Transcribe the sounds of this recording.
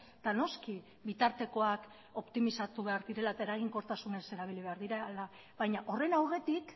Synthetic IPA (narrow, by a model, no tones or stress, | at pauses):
d̪̥ano̞ski | βit̪aɾt̪e̞ko̞ak | o̞pt̪imisat̪uβe̞aɾðiɾe̞laeaeɾaɣ̞iŋko̞ɾt̪asune̞se̞ɾaβ̞iliβ̞e̞aɾðiɾala | βajɲaʔo̞re̞nawɣe̞t̪ik